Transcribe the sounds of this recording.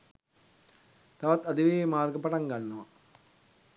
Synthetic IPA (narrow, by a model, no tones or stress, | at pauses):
t̪aʋat̪ad̪iʋemaːrɡəpaʈaŋɡanːəʋa